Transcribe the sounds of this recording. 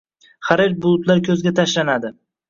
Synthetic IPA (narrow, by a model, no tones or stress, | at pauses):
χaɾeɾ̚bʊlˠʊt̪laɾkʲʰɵzɡʲat̪ʰaʃlanad̪ɪ